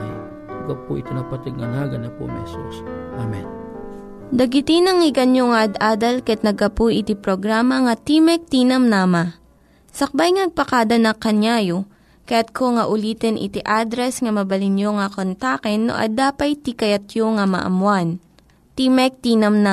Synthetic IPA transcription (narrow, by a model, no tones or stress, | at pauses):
ɡɐpuʔɪ̰t̪onɐpɐt̪ɪɡ̚ŋɐnaɡɐnɐpo̰mɛ̰sosʔamɛn | d̪ɐɡɪt̪inɐŋɪɡɐnjoŋɐʔɐd̪ʔaːd̪ɐlkɐɛt̪̚nɐɡɐpujʔɪt̪ipɾoɡɾamɐŋɐt̪imɛk̚t̪inɐmnama | sɐk̚bajŋɐnɐɡ̚pɐkad̪ɐnɐkːɐɲjaːjo | kɐjat̪̚kʰoŋɐʔʊliːt̪ɛnʔɪ̰t̪iʔad̪ɾɛsŋɐmɐbɐlɪnjoŋɐkont̪akɛnːo̰ʔɐ̰d̪aːpɐjt̪ikɐjɐt̪joŋɐmɐ̰ʔɐ̰mwan | t̪imɛk̚t̪iːnɐmna